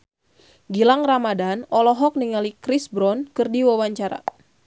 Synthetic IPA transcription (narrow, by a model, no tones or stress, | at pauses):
ɡilaŋramadanɔlɔɦɔk̚niŋalikɾisbɾɔnkɨrdiwawaɲt͡ʃaɾa̰